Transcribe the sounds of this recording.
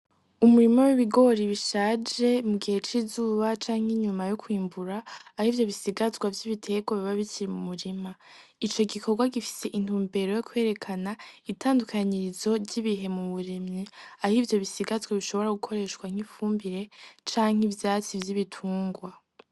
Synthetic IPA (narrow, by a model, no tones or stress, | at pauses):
umuɾimo̞wiβiɡo̞ɾiβiʃaːd͡ʒe̞muɡihe̞t͡ʃiːzuːβat͡ʃaːŋ̥iɲumajokwiːmbuɾaːhivjo̞βisiɡazɡwavjiβitʰe̞ːɡaβiβaβiciɾimumuɾimait͡ʃo̞ɡikʰo̞ɾɡwaɡifi̥se̞ʔin̥uːmbe̞ɾo̞jokwe̞ːɾe̞kʰanaitaːndukʰaɲiɾizo̞ɟiβiɦe̞muβuɾimɲiahivjo̞βisiɡazɡwaβiʃo̞βo̞ɾaɡukʰo̞ɾe̞ːʃkwaŋ̥ifuːmbiɾe̞t͡ʃaːŋ̥ivjaːt͡sivjiβitʰuːŋɡwa